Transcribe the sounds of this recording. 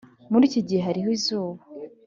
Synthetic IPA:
muɾiːciɟiheɦaɾiɦoizuːβa

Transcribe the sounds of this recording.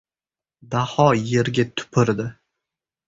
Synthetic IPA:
d̪ahɒje̞ɾɡʲat̪ʰʊ̥pʰɪɾd̪ɪ

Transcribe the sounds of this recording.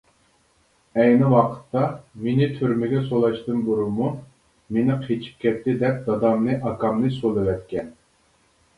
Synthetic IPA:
ɛjnɪwɑqʰə̥t̪ːɑmenɪt̪ʰyɾmɪɡʲɛsolˠɑʃt̪ɨnbuɾumu | menɪqʰet͡ʃʰi̥p̚kʲɛt̪ːɪd̪ɛp̚d̪ɑd̪ɑmnɨʔɑkɑmnɨsolˠɨwɛt̪̚kʲɛn

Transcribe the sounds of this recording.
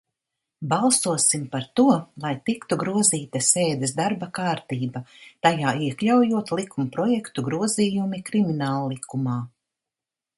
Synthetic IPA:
balˠsuɔsimpaɾt̪uɔlˠajt̪ikt̪uɡɾuɔziːt̪aseːd̪esd̪aɾbakaːɾt̪iːbat̪ajaːiɛklʲawjuɔt̪lˠikumpɾɔjɛkt̪uɡɾuɔziːjumikɾiminaːlˠlˠikumaː

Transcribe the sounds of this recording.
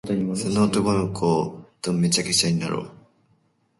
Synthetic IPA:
sonoːt̪okonokʰoːd̪̥õmːe̞t͡ɕakeɕaɲ̟ina̰ɾʔo̰ː

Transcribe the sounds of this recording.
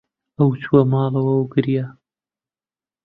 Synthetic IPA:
ɐwt͡sʰuwɐmɑːlˠɐwɐwɡɨɾja

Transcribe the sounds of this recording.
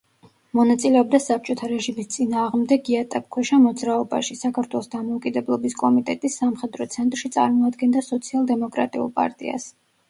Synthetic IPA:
mɔnat̪sʼilɛɔb̚d̪asap̚t͡ʃʼɔt̪ʰaɾɛʒimist̪sʼinaːʁmd̪ɛɡiat̪ʼap̚kʰwɛʃamɔd̪zɾaɔba̰ʃisakʰaɾt̪ʰwɛlˠɔsd̪amɔukʼid̪ɛblˠɔbiskʼɔmit̪ʼɛt̪ʼisːamχɛd̪ɾɔt̪sʰɛnt̪ʼɾʃit̪sʼa̰ɾmɔad̪ɡɛnd̪asɔt̪sʰialˠd̪ɛmɔkʼɾa̰t̪ʼiṵlˠpʼa̰ɾt̪ʼḭa̰s

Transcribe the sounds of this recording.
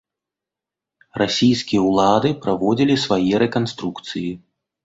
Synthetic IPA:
rasʲijskʲijɛwlˠad̪ɨpɾavɔd͡zʲilʲisvajɛɾɛkanst̪ɾukt̪sɨji

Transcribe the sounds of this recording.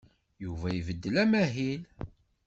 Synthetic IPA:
juvæjvəd̪ːəlæmæɦil

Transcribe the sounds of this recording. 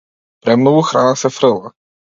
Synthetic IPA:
pɾɛmnɔuxɾʔanasɛfɾɘlˠa

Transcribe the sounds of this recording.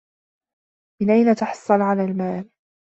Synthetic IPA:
mɪnʔajnat̪ɑħɑ̥sˤːɑlʕalaːlmaːl

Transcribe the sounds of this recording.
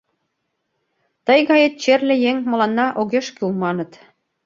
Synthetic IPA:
t̪əjɣɑjet̪̚t͡ɕerlʲĕjeŋmŏlɑnːɑʔoɣeʃkyumɑnə̆t̪

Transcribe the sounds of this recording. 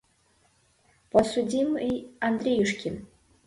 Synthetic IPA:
pʰosudʲimejand̪rʲejɨʂkʲɪn

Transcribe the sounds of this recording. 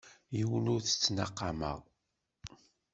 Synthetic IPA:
jiwənʊɾθə̥t͡sːnɑqːɑmə̰ʁ

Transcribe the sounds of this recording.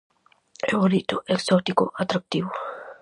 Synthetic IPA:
eoɾit̪oʔeksɔt̪ikoʔat̪ɾak̚t̪iwo

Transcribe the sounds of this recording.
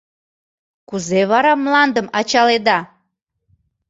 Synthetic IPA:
kuzeβɑɾɑmlɑnd̪əmɑt͡ɕɑled̪ɑ

